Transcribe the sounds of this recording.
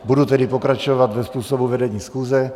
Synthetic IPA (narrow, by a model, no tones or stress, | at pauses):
bud̪ut̪ɛd̪ipɔkɾat͡ʃɔʋaɟ̪ʋɛspuːsɔbuʋɛd̪ɛɲiːsxuːzɛ